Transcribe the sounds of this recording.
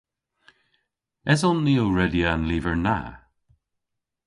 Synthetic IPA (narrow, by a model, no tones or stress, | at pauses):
ɛzɔnːiːoɹɛdianliːvəɹna̰